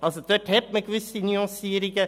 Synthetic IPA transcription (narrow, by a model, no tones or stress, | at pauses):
ɑlsɔd̪øʈʰɛpmɛkʰʋʉsinjɔ̃siːəɾɪkːə